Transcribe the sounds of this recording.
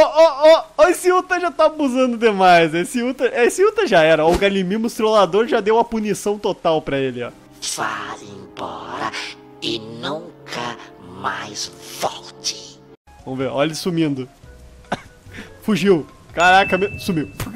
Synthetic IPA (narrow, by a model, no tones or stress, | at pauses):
ɔʔɔɔɔesɪut̪ɐʒat̪avɐuzɐ̃nd̪ʊd̪emajzɛesɪut̪ɐʔɛesɪut̪ɐʒaɛɾɐɔʊɡalimĩmʊst̪ɾolad̪oɾʒad̪ewɐpunisɐ̃w̃t̪ot̪awpɾɐelɪɔ̰ | fa̰zẽbɔɾɐ̰ | ɪnũŋkʰɐma̰jzvɔwt̪ɪ̥ | vɐ̃mʊveɾɔʎɐsumĩnd̪ʊ | fuʒiw | kaɾakɐmesumiw